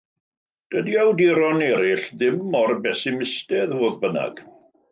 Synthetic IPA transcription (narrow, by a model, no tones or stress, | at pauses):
d̥ədiawdiɾɔnɛɾɪɬðɪmɔrbɛsɪmɪstɛðvoːðbəna̰ɡ̥